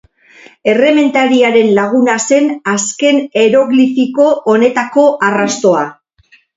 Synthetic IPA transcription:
e̞re̞me̞nt̪aɾiaɾe̞nlaɣ̞unase̞naske̞ne̞ɾo̞ɣlifiko̞ʔone̞t̪ako̞ʔarast̪o̞a

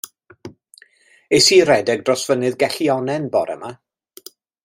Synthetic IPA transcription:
esiːɾɛdɛɡ̚drɔsv̥ənɨðɡɛɬiɔnɛnbɔɾʔɛ̰ma

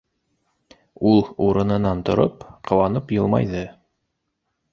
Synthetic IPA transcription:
ulˠuɾɤ̆nɤ̆nɑnt̪ŏɾopqɤ̆wɑnɤpjɤ̆lˠmɑ̰jðɤ

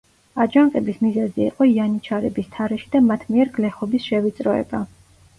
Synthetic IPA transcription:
ad͡ʒaŋkʼɛbismizɛziːqʼɔianit͡ʃʰaɾɛbist̪ʰaɾɛʃid̪amat̪ʰmiɛɾɡlɛχɔbisʃɛvit̪sʼɾɔɛ̰ba

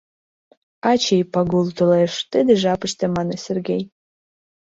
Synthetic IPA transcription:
at͡ʃʰejpaɡulˠt̪ʰɨleʂt̪ɨd̪ɨʒapɨʃt̪ʰəmanəserɡʲej

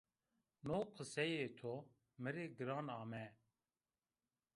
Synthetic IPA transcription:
noːqʰəsɛjeːt̪ʰo | mɨɾeːɡɨɾɑːnɑːmɛ

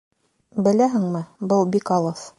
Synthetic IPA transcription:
bɘ̆læɦɘ̆ŋmɘbɤlˠbikɑlˠɤθ

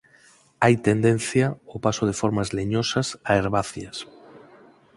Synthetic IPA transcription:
ajt̪end̪en̟θjaopasoð̞efoɾmazleɲosasaeɾβaθjas

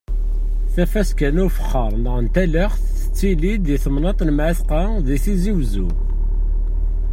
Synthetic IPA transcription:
θæfæskænʊɾfə̥χːəɾˤnəʁənt̪æləχθ | ə̥t͡sːilid̪iθəmnɑt̪ˤnəmʕiθqɑ | ðiθiziwzu

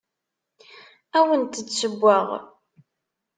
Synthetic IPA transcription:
æwənt̪əsəbʷːaʁ

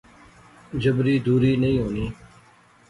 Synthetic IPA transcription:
d͡ʒəbɾiːd̪uːɾiːnəĩːɦoːniː

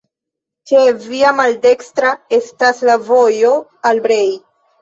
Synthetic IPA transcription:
t͡ʃeviamalde̞kstɾae̞staslavo̞jo̞albɾe̞j

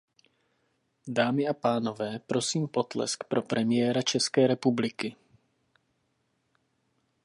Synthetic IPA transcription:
daːmɪapaːno̞vɛːpɾo̞siːmpo̞t̪lɛ̰skpɾʔo̞pɾʔɛmɪjɛːɾat͡ʃɛskɛːɾɛpublɪkɪ

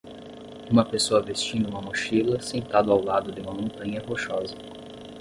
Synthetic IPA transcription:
ũmɐpesoɐvest͡ʃĩnd̪ʊũmɐmoʃilɐsẽnt̪ad̪ʊawlad̪ʊd̪ɪũmɐmõnt̪ɐ̃ɲɐɦoʃɔzɐ

